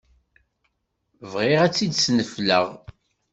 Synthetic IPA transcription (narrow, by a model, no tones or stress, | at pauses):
vʁɪʁæt͡sːid̪snəflə̰ʁ